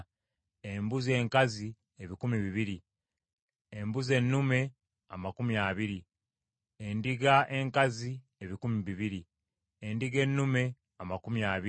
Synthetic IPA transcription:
embuzie̞ŋkazi | eβikumiβiβiɾi | e̞mbuze̞nːume̞ | a̰makumiaːβiɾi | endiɡaʔe̞ŋkazi | eβikumiβiβiɾi | endiɡe̞nːume̞ | amakumiaːβi

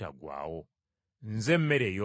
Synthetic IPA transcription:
a̰ɡwa̰ːwo | nzem̩meɾejo

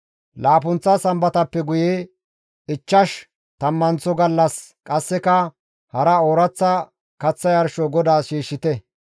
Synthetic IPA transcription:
laːpʊnt͡sːɐsɐmbɐt̪ɐpːɛɡʊje | ɪt͡ʃːɐʃ | t̪ɐmːɐnt͡sɔɡɐlːɐskʼɐsːɛkɐ | hɐɾɐoːɾɐt͡sːɐ | kɐt͡sːɐjɐɾʃɔɡɔd̪aːʃiːʃːɪt̪ɛ

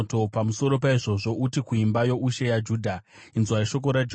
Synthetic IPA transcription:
to̞pamuso̞ɾo̞paiʐo̞ʐo̞ʔutikuimbajo̞uʃe̞jad͡ʒuːdʱa | inzwaiʃo̞k̬o̞ɾad͡ʒ

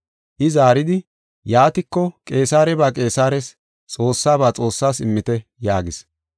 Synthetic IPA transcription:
ʔɪzaːɾɪd̪ɪ | jaːt̪ɪkːɔkʼe̞ːsaːɾɛbaːkʼe̞ːsaːɾɛs | t͡sʼo̞ːsːaːbaːt͡sʼo̞ːsːaːsɪmːɪt̪ɛjaːɡɪs

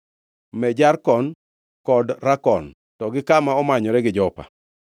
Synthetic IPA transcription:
mɛd͡ʒarkɔn | kɔdɾakɔn | tɔɡɪkamaɔmaɲɔɾɛɡɪd͡ʒɔpa̰

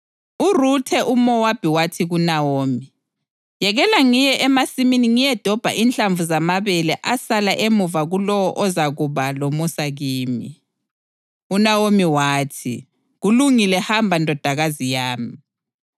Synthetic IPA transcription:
urutʰɛʔumɔwab̥ʱiwatʰiɣunawoːmi | jɛɣɛlaŋijɛʔɛmasiminiŋijɛd̥ʱɔb̥ʱa̰ʔint͡ɬʼaɱvuzamaβɛlɛʔasalaʔemuvaɣulɔwɔʔɔzaɣuβalomusaɣiːmḭ | unawomiwaːtʰi | ɣuluŋilɛhambʱandʱɔd̥ʱaɣazijaːmi

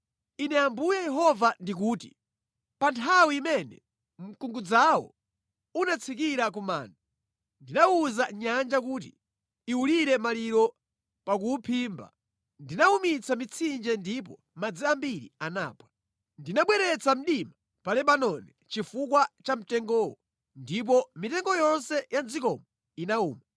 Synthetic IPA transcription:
inɛambujajɛɦɔvandik̬uːtḭ | pantʰawiːmɛnɛ̰ | m̩kuŋɡud͡zawɔ̰ | unat͡sʰik̬iɾak̬uma̰ːnda | ndinauzaɲand͡ʒak̬uːt̬ḭ | iuliɾɛmaliɾɔ | pak̬upʰiːmba̰ | ndinaumit͡sʰamit͡sʰind͡ʒɛndip̬ɔ̰ | mad͡ziambiɾḭana̰ːpwa | ndinaɓwɛɾɛt͡sʰam̩ɗima | palɛɓanɔnɛ | t͡ʃifukwat͡ʃam̩tɛŋɡɔːwɔ | ndip̬ɔmitɛŋɡɔjɔnsɛjand͡zikɔmɔ | inauːma

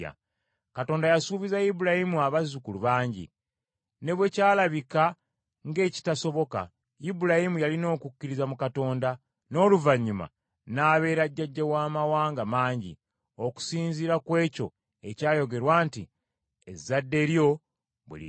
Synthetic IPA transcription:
a̰ | kato̞ːndajasuːβizajibuɾahimuaβazukuluβaːɲɟḭ | ne̞βwe̞caːlaβika | ŋɡe̞ːci̥taso̞βo̞ka̰ | jibuɾajimujalino̞ːkucːiɾizamukato̞ːnda | no̞ːluvaɲːuma̰ | naːβe̞ːɾaɟːaɟːawaːmawaːŋɡamaːɲɟḭ | o̞ku̥siːɲziɾakwe̞ːco̞ | e̞caːjo̞ɡe̞ɾwaːntḭ | ḛzadːe̞ɾjo̞ | βwḛlḭ

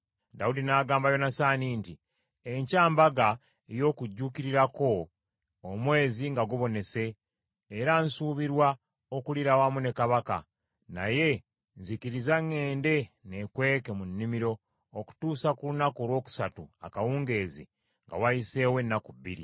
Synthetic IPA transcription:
daudinaːɡaːmbajo̞nasaːniːnti | eɲcaːmbaɡa | ejo̞ːkuɟːukiɾiɾako̞ | omwe̞ːziŋɡaɡuβo̞ne̞se̞ː | ɾansuːβiɾwa | okuliɾawamune̞kaβaka̰ | na̰je̞ | nzikiɾizaŋːe̞ːnde̞ne̞kwe̞ːke̞munːimiɾo̞ː | ku̥tuːsakulunakolwo̞ːku̥satua̰kawuːŋɡe̞ːzḭ | ŋɡa̰waise̞ːwe̞nːakuβːḭɾḭ

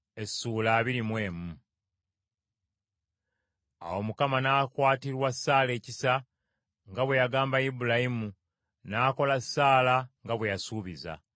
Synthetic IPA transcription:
e̞suːlaːβiɾimwe̞ːmu | a̰wo̞mukamanaːkwaːtiɾwasːaːle̞ːcisa | ŋɡaβwe̞jaɡaːmbajibulajimu | naːko̞lasːaːlaŋɡaβwe̞jasuːβiza̰

